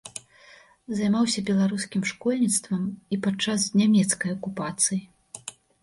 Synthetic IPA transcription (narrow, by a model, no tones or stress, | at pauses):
zajmawsʲɐbʲɛlˠaɾuskʲimʂkɔlʲnʲit̪st̪vɐmipat͡ʂːasnʲamʲɛt̪skɐjɐkupat̪sɨji